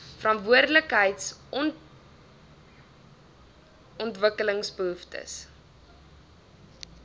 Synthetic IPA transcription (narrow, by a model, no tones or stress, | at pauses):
fəɾɐntvuərdələkɦəjtsn | ɔntvəkələŋsbəɦuftə̰s